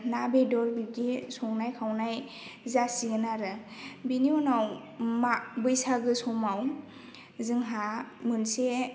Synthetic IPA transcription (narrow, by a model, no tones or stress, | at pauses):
nabedɔɾbiɡesɔŋnajkʰawnaj | zasiɡɯnaɾɯbiniɔnaw | mabɯjsaɡɯsɔmaw | zɯŋɦamɯnse